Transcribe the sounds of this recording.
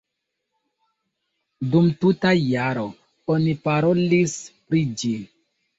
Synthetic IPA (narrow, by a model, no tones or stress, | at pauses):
dumtutajaɾo | onipaɾolispɾid͡ʒi